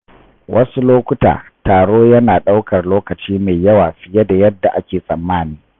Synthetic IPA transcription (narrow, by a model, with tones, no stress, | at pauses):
wʔɐ˦su˦loː˦kʷʊ˦ta̰ː˨taː˨ɽoː˦jɐ˦naː˨ɗa˦wkɐ˨rloː˦kɐ˨t͡ʃiː˦meː˨jɐ˦waː˨ɸɪ˦jɐ˦da˨jɐ˦dːa˨ʔa˦kʲeː˨sʼɐ˨mːaː˦niː˦